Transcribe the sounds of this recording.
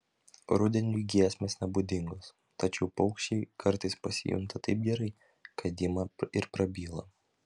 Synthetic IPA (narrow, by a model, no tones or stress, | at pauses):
ɾʊd̪ʲɛnʲuɡʲiɛsʲmʲeːsnʲɛbʊd̪ʲɪŋɡoːs | t̪ɐt͡ʃʲɛʊpɐʊkʃʲt͡ʃʲɛɪkɐɾt̪ɐɪspɐsʲɪ̰jʊ̰ŋt̪ɐt̪ɐɪp̚ɡʲɛɾɐɪ | kɐd̪ʲɪmɐɪɾpɾɐbʲiːlˠɐ